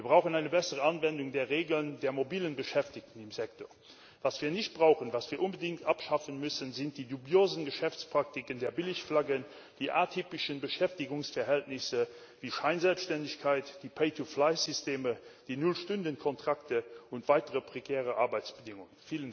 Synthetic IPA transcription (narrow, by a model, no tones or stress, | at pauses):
v̥iːɐbʁaʊxənaɪnəbɛsəʁəanvɛndʊŋdeːɐʁeːɡələndeːɐmobiːlənbəʃɛftɪk̚tən̩ɪmzɛk̚toːɐ | vaːsv̥iːɐnɪçt̚b̥ʁaʊxənvaːsv̥iːɐʔʊnbədɪŋtʔapʃafənmʏsənzɪnt̚d̥iːdubjoːzənɡəʃɛft͡spʁ̥ak̚tɪkəndeːɐbɪlɪçflaɡən | d̥iːʔa̰ːɐtʰyːpɪʃənbəʃɛftɪɡʊŋsfɛɐɦɛltnɪsə | viːʃaɪnzɛlpsʃtɛndɪçkʰaɪtd̥iːpʰeɪtʰuflaɪzysteːməd̥iːnʊlʃtʊndənkʰɔntʁ̥aktəʊntv̥aɪtəʁəpʁ̥ekʰɛːʁəʔaɐbaɪt͡sb̥ədɪŋʊŋənfiːlən